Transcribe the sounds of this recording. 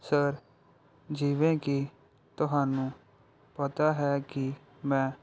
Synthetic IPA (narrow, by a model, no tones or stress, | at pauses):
səɾ | d͡ʒiːʋẽːki | t̪ʊɦaːnũː | pət̪aːɦɛːkɪ | mɛ̃ː